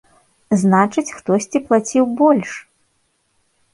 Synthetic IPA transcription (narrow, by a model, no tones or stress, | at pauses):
znat͡ʂɨt͡sʲxt̪ɔsʲt͡sʲiplˠat͡sʲiwbɔlʲʂ